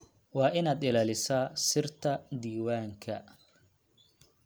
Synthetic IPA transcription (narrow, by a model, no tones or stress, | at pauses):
wɑːʔɪnaːd̪ɪlaːlɪsaːsɪrt̪ʰɐd̪iːwaːŋkʰɐ̰